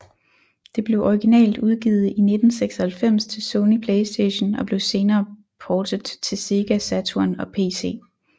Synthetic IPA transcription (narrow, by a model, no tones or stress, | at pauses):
d̥e̝b̥le̝ʊʔɒiɡ̥inɛ̰ːld̥uð̞ˠɡ̥ḭːð̞̩ˠine̝d̥n̩seɡ̥sɒhælfem̰st͡sʰe̝lsɔʊnipʰleɪsd̥eɪɕnɒ̽b̥le̝ʊse̝ːnɐː | pʰɒːd̥ð̩ˠt͡sʰe̝se̝ɡ̥æsæt͡sʰuɐnɒ̽pʰe̝̰ːse̝̰ː